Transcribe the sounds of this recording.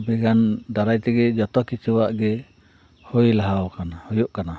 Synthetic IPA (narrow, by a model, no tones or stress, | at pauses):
bɛɡandaɾajt̪ɛɡɛd͡ʒɔt̪ɔkit͡ʃɛwaʔɡɛ | hojlaɦawkanahɔjɔʔkana